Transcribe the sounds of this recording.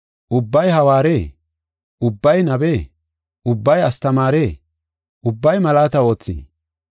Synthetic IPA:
ʔʊbːɐjhɐwaːɾeː | ʔʊbːɐjnɐbeː | ʔʊbːɐjɐst̪ɐmaːɾe̞ː | ʔʊbːɐjmɐlaːt̪ɐo̞ːt͡sːḭː

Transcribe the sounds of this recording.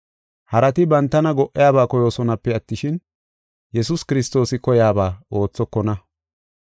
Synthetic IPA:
hɐɾɐt̪ɪbɐnt̪ːɐnɐɡɔʔːɪjaːbaːkɔjo̞ːsɔnɐpːɛɐt̪ːɪʃɪn | jɛs̬ʊskɪɾɪst̪o̞ːsɪkɔjaːbaːo̞ːt͡sːɔkːɔnɐ

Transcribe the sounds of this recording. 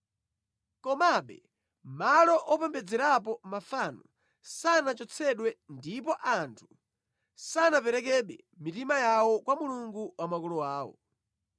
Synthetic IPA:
kɔmaɓɛ | malɔʔɔpɛmbɛd͡zɛɾap̬ɔmafanɔ | sanat͡ʃɔt͡sʰɛɗwɛndip̬ɔʔantʰu | sanapɛɾɛk̬ɛɗwɛ | mitimajawɔkwamuluŋɡuwamakulɔwaːwɔ̰

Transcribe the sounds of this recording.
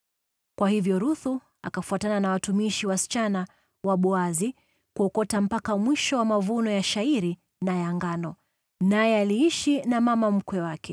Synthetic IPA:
kwahivjɔɾuθu | a̰kafuatananawatumiʃiwasi̥t͡ʃana | waɓuazi | kuɔkɔtam̩pakamwiʃɔwamavunɔjaʃaiɾi | najaŋɡanɔ | najɛaliiʃinamamam̩kwɛwakʰɛ

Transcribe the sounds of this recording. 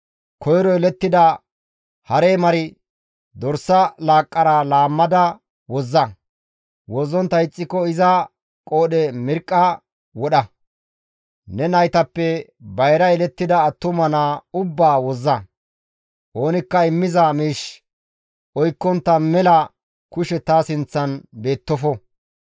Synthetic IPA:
kʰɔjɾɔɛlɛt̪ːɪd̪ɐ | hɐɾeːmɐɾɪ | d̪ɔɾsːɐlaːkʼːɐɾalaːmːɐd̪ɐ | wɔzːɐ | wɔzːɔnt̪ːɐɪt͡sʼːɪkːɔɪzɐ | kʼo̞ːɗɛmɪɾkʼːɐ | wɔɗɐ | nɛnɐjt̪ɐpːɛbɐjɾɐɛlɛt̪ːɪd̪ɐːt̪ːʊmɐnaʊbːaːwɔzːɐ | ʔo̞ːnɪkːɐɪmːɪzɐmiːʃ | ʔɔjkːɔnt̪ːɐmɛlɐ | kʊʃɛt̪asɪnt͡sːɐnbe̞ːt̪ːɔfɔ

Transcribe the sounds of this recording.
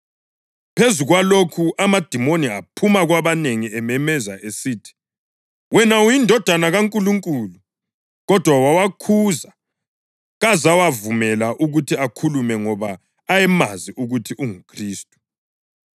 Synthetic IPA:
pʰezuɣwalokʰuʔamad̥ʱimoniapʰumaɣwaβaneŋiɛmɛmɛza̰ʔesiːtʰi̥ | wɛnaujindʱɔd̥ʱanaɣaŋkʼuluŋkʼulu | ɣɔd̥ʱwawawakʰuza | ɣazawavumɛlaʔuɣutʰiakʰulumɛŋɔβaː | jɛmaziʔuɣutʰiʔuŋukʰriːstʼu̥

